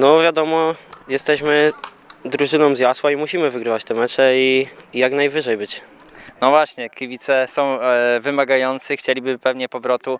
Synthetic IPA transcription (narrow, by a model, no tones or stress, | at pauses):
nɔvʲjad̪ɔmɔjɛst̪ɛɕmɘ | d̪ɾuʐɘnɔ̃wzjaswaimuɕimɘvɘɡɾɘvat͡ɕt̪ɛmɛt͡ʂɛijaknajvɘʐɛjbɘt͡ɕ | nɔvwaɕɲɛkʲivʲit̪sɛsɔ̃w̃vɘmaɡajɔnt̪sɘxt͡ɕelʲibɘpɛvɲɛpɔvɾɔt̪u